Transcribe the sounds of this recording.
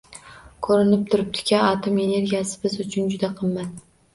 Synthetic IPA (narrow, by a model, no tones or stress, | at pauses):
kʰɵɾɪnɪp̚t̪ʰʊɾɪp̚t̪ʰɪ̥kʲʰaat̪ʰome̞ne̞ɾɡʲijasɪbɪzʊt͡ʃʰʊnd͡ʒʊd̪aqʰɨmman